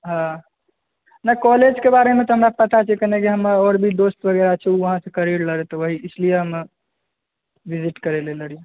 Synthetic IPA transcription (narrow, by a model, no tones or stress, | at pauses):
ɦã | nakɔled͡ʒkebaɾemet̪ɔɦəmɾapət̪at͡ʃʰɛkənekiɦəmɔɾbʱid̪osʈbʱəɡɛɾat͡ʃʰɛuʋəɦãsẽkəɾiɾləɾɛt̪ɔʋəɦiislijeɦəm | ʋiziʈkəɾeleləɾijẽ